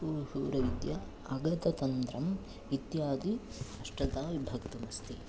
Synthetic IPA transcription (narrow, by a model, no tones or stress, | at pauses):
uːɾhuːɾɐid̪jɐ | ɐɡɐt̪ɐt̪ɐnt̪ɾɐm | it̪jaːd̪iɐʂʈɐt̪aːʋibʱɐkt̪umɐst̪i